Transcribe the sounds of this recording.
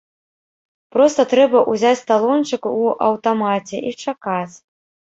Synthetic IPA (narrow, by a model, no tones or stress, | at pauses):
pɾɔst̪ɐt̪ɾɛbɐʔuzʲat͡sʲt̪alˠɔnt͡ʂɨkuʔɐ̰wt̪amat͡sʲɛʔit͡ʂakat͡sʲ